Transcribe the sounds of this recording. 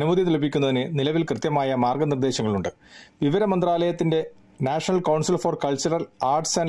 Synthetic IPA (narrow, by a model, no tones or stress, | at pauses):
ɐnumɐðit̪ilp̬ikʲːunːɐðinɨnilɐʋilkrɨt̪jɐmaːjɐmaːrɡɐnird̪e̞ːɕɐŋːɐɭuɳɖɨ | ʋiʋɐɾɐmɐnd̪raːlɐjɐt̪ːinde̞ | naːʂɐnɐlkɐwɳsilfɐrkɐɭt͡ɕɐɾɐlaːrʈsɐn